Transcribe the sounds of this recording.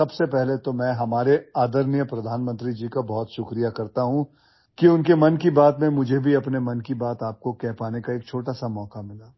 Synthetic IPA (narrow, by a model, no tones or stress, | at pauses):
sɐbsepɛɦlet̪omɛ̃ːɦɐmaːɾeaːd̪əɾnjəpɾɐd̪ʱaːnmə̃nt̪ɾid͡ʒiːkabɔːt̪ʃʊkɾijakɐɾt̪aɦũ | kiʊnkemɐnkibaːt̪mẽmʊd͡ʒʱebʱiɐpnemɐnkibaːt̪aːp̚kokɛɦpaːnekaeːkt͡ʃʰoːʈasamɔːkamɪlaː